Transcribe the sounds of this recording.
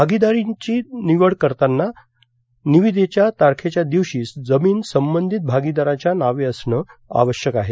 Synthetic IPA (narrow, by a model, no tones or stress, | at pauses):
bʱaɡid̪aɾit͡ɕiːniʋəɽkəɾt̪anːa | niʋid̪ʱet͡ɕjat̪aɾkʰet͡ɕjad̪iʋɕiːsd͡zəmiːnsəmbənd̪ʱit̪̚bʱaɡid̪aɾat͡ɕjanaʋeəsɳəːa̰ʋəɕjəkaɦe